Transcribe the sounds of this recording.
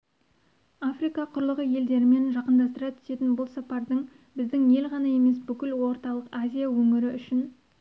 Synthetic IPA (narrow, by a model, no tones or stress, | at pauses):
afrijkɑqʰʊɾlˠəʁəje̞ld̪e̞ɾɪme̞nʒɑqənd̪ɑst̪əɾɑt̪ʰʏ̥se̞t̪ɪnbʊlˠsɑpɑɾd̪əɴ | bɪzd̪ɪŋje̞lʁɑnɑe̞me̞sbʏkʲɪlwo̞ɾt̪ɑlˠəqazʲijawɵŋɪɾɪʔʏʃɪn